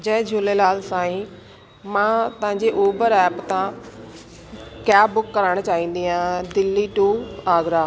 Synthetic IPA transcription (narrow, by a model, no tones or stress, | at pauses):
d͡ʑɐ̃ɦɪ̃d͡ʑʱʊlelaːlsãːĩ | mãt̪ɐ̃ɦãɲd͡ʑeʔoːbəɾɛːpt̪ã | kjaːbʊkːɐɾaːɽ̃t͡ɕaːɦĩːn̆d̪iãːd̪ɪlːiʈuːaːɡɾaː